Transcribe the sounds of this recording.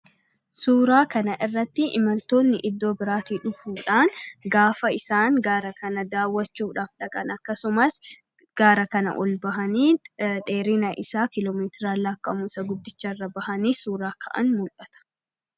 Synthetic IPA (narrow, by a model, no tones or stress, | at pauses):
suːɾaːkɐnɐʔɪrːɐt̪ːɪʔɪmɐlt̪o̞ːnːɪʔɪd̪ːo̞ːbɪɾaːt̪iːᶑʊfuːᶑaːŋɡaːfɐɪsaːŋɡaːɾɐkɐnɐd̪aːwːɐt͡ʃːuːᶑaːfᶑɐkʼɐnɐkːɐsʊmɐs | ɡ̥aːɾɐkɐnɐ̰ʔɔ̰lbɐɦɐniːᶑe̞ːɾɪnɐʔɪsaːkɪloːmeːt̪ɪɾaːlaːkːɐmuːsɐɡʊd̪ːɪt͡ʃːɐrːɐbɐhɐniːsuːɾaːkʰɐ̰ʔɐ̰nmʊlʔɐt̪ɐ̥